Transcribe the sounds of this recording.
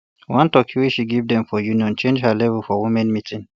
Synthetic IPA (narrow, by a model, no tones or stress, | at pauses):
wãntɔkʰiwit͡ʃʃiɡevdɛ̃mfɔjũnijɔ̃nt͡ʃẽnd͡ʒhalɛvəlfɔwumɛ̃nmitʰĩn